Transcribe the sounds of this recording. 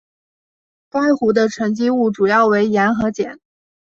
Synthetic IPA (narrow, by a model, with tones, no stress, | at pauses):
ka˥˩ɪxu˧˥d̪ə˧ʈ͡ʂʰɤ˧˥ŋt͡ɕi˥u˥˩ʈ͡ʂu˨˩jɑ˥˩ʊwe˧˥ɪjɛ˧˥nxɤ˧˥t͡ɕjɛ˨˩˦n